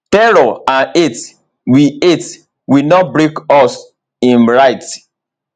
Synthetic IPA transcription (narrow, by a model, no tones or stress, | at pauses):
tɛɾɔãnet | wiet | winɔt̚bɹekɔs | ĩnɹaɪt